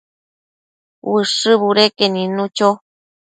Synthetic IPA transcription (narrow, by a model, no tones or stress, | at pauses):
wɨʂɨβuɾekenĩnũt͡ʃo